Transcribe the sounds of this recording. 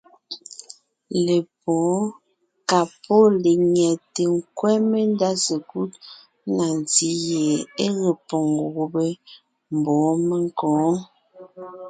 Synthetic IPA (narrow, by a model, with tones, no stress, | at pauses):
le˨pɔ̃ː˨˦ | ka˨pɔ˦le˨ɲɛ˨te˨ŋ̩˦kwɛ˦me˦n˦da˦se˨ku˦t̚ | na˨n˨ti˨˦je˨e˦ɣe˨pɔ˨ŋ˨ɣu˦be˦ | m̩˨bɔ̃ː˨˦me˦ŋ˦kɔ̃ː˨˦